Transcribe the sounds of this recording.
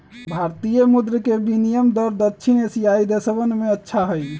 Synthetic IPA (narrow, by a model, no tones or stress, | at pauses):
bʱaɾt̪ijəmud̪ɾkebinijəmd̪əɾd̪ətːt͡ʃʰinesijaid̪esəbənmeətːʃʰaɦəj